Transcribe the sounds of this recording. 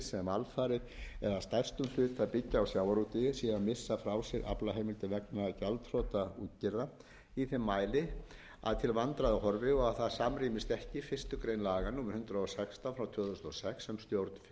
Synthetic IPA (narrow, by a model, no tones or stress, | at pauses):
sɛmalfaːɾɪɛɾaðst̪ajr̥st̪ʏmlʏːt̪θaðpɪcːaawsjaːwaɾut̪ɪjɪsjɛɣamɪsːafɾaːwsjɛɾʔa̰plaɦejmɪlt̪ɪvɛknacalt̪r̥ɔːt̪auːt̪cɪɾða | iθɪmːajlɪ | a̰ðt̪ʰɪlvant̪ɾaðɪhɔɾvɪɔɣaðθaðsamriːmɪst̪ɛhcɪfɪr̥st̪ʏkɾejnlaːɣanuːmɪɾ̥hʏnt̪ɾaɔsɛkst̪afɾawt̪ʰœːðθʏsnɔsɛksɛmst̪jowɾt̪nf